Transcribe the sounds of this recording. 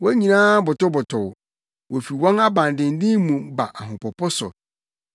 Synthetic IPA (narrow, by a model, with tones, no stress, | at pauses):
wɔ˦ɲĩ˨nãː˦bʊ˨tʊ˦bʊ˨tʰʊ˨w | wɔ˨fi˨wɔ̃˦na˦bã˨n˨dɪ̃˨n˦dɪ̃˦mũ˨mba̰˨ʔa˨ɦʊ̃˨pɔ˨pʰɔ˦sɔ̰˨